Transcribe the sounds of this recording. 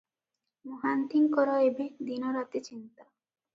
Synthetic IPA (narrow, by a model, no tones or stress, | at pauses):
moɦant̪iŋkɔɾɔebed̪inɔɾat̪et͡ɕint̪a